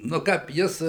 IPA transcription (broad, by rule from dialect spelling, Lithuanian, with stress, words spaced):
nʊ ˈkɐp ˈjɪs